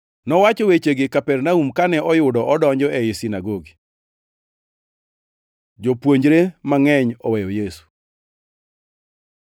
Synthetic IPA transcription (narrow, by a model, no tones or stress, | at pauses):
nɔwat͡ʃɔwet͡ʃeɡɪkapɛrnaumkanɛʔɔjʊdɔɔdɔɲd͡ʒɔɛisinaɡoɡi | d͡ʒopwoɲd͡ʒɾemaŋɛɲɔwɛjɔjesu̥